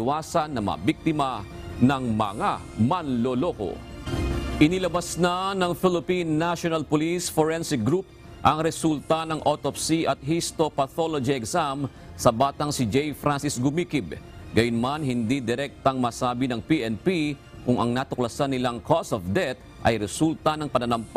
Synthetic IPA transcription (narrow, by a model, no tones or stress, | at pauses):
ɪwaːsɐnːɐmɐ̰ɐ̰biɡ̚t̪ɪmɐ | nɐŋmɐŋamɐnloloko̞̰ | ʔɪnɪlɐbɐsnanɐŋfɪlɪpinːaʃonɐlpolisfoɹɛnsɪk̚ɡɾup̚ | ʔɐŋɾɛsult̪ɐnɐŋʔot̪opsiʔɐt̪̚hist̪o̞pɐθo̞lod͡ʒiɛksam | sɐbaːt̪ɐŋsɪd͡ʒɛjfɾʔansɪsɡʊmiːkib̚ɡɐjʊnmanɦɪnd̪id̪ɪɾɛk̚t̪ɐŋmasaːbɪnɐŋpiʔɛnpi | kʊŋʔɐ̰ŋnaːt̪ʊklɐsanːɪlaŋkʰosofd̪ɛt̪̚ | ʔɐ̰jɾɛsult̪ɐnɐŋpɐnɐnɐmp